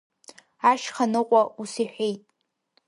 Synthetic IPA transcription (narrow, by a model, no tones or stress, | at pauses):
aʃχanɨqʷʼausiħʷᶣejtʼ